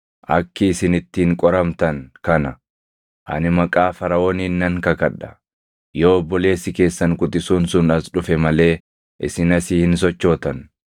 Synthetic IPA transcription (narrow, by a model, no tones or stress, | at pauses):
ʔɐkːɪːsɪnɪt̪ːiːŋkʼɔɾɐmt̪ɐŋkɐnɐ | ʔɐ̰nɪmɐkʼaːfɐɾɐoːniːnːɐŋkɐkɐᶑɐ̥ | joːbːɔle̞ːsɪke̞ːsːɐŋkʼʊt̪ʼɪsuːnsʊnɐsᶑʊfɛmɐle̞ː | ʔɪ̰sɪnɐsiːhɪns̬ɔt͡ʃːo̞ːt̪ɐn